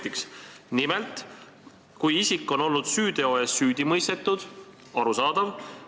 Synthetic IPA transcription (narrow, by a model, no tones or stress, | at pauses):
t̪iksnime̞lt̪ˑ | kujisikːˑo̞no̞lnud̪̥syːd̪̥e̞o̞esːyːd̪̥imɤjst̪e̞t̪ˑːud̪̥ | ɑɾusɑːd̪̥ɑv